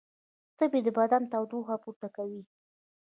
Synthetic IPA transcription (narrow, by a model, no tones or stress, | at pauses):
t̪əbed̪əbad̪ant̪awd̪uɣapuɾt̪akawi